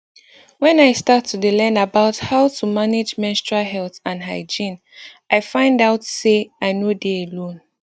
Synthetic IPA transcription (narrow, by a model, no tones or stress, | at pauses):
wɛ̃najstatʰːudəlɛ̃nabaʊthaʊtʰumaned͡ʒmɛ̃nstɹaɦɛlθãnɦaɪd͡ʒĩn | ʔaɪfãɪ̃ndaʊtseaɪnodealõn